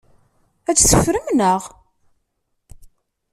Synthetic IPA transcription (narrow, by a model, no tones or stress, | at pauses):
æt͡sːθəfɾəmnəʁ